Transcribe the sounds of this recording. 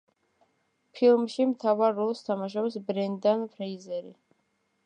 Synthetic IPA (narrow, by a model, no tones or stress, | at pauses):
pʰilˠmʃimt̪ʰavaɾːɔlˠst̪ʰamaʃɔbsbɾɛnd̪anpʰɾɛizɛɾi